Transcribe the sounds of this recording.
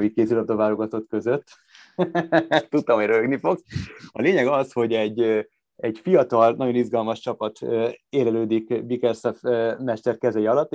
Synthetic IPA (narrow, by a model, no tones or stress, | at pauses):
ikeːsylɒb̚d̪ovaːloɡɒt̪ot̪kø̞zøt̪ː | t̪ut̪ːɒmɦoɟrøøɡnifo̞ɡsɒ̰leːɲɛɡɒsho̞ɟɛɟː | ɛɟfijɒt̪ɒlnɒɟo̞nizɡɒlmɒʃt͡ʃɒpɒt̪øeːlɛløːd̪ikbikɛrsɛfmɛʃt̪ɛrkɛzɛjiɒlɒt̪ː